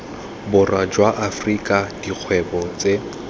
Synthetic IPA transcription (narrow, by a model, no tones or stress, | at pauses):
bʊrwad͡ʒwaʔafrikʼad̥iq͡χʰwɛbɔt͡se